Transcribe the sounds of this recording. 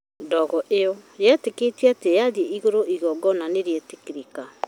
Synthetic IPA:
dɔɣɔʔeɔjɛteketiatejaðieiɣoɾoʔiɣɔɡɔnaneɾietekiɾika

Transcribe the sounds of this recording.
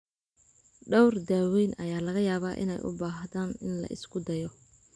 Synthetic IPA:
ɖɐwrd̪aːwɛːnʔɐ̰jaːlɐɣɐjaːβaːʔɪ̰nɛ̰jʔʊ̰baːɦðaːnɪnlɐ̰ʔɪ̰skʰʊd̪ɐjɔ

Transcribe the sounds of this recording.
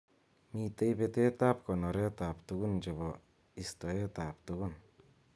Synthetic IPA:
mit̪ejbet̪et̪ap̚kɔnɔɾet̪apt̪uɡund͡ʒeβɔ | ist̪ɔet̪ap̚t̪uɡun

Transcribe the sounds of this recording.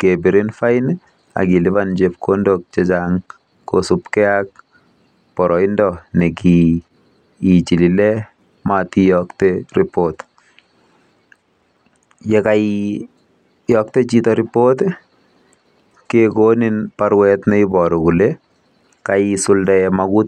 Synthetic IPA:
kebiɾinfajɪn | a̰kilɪβand͡ʒep̚kʰondok̚t͡ʃet͡ʃaŋ | kosupkɛak̚ | pɔɾɔɪndɔneki | t͡ʃililɛ | matijɔkteripot | jeka | jɔk̚tet͡ʃitɔɾipot | kekoninpaɾwɛtnɛibɔɾɔkule | kaisʊldaɛmakut

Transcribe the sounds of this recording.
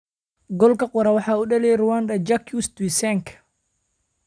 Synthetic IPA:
ɡɔlkʰɐqʊɾɐwɑħɑːuɖɐlɛjrʊwand̪ɐd͡ʒakʰjust̪wisɛŋkʰ

